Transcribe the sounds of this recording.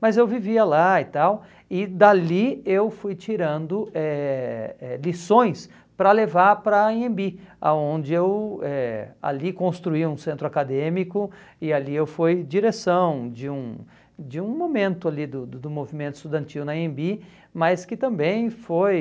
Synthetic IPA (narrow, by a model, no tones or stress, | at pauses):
mɐzewviviɐlaɪt̪aw | ɪd̪aliewfujt͡ʃiɾɐ̃nd̪ʊʔɛ | ɛlisõj̃s | pɾɐlevaɾpɾɐĩẽmbia̰õnd͡ʒɪewɛa̰likõst̪ɾuiũsẽnt̪ɾʊakad̪ẽmikʊ | ɪaliewfojd͡ʒiɾesɐ̃w̃d͡ʒɪũ | d͡ʒɪũmomẽnt̪ʊalid̪ʊd̪ʊd̪ʊmovimẽnt̪ʊ̥st̪ud̪ɐ̃nt͡ʃiwnɐẽmbi | mɐskɪt̪ɐ̃mbẽj̃foj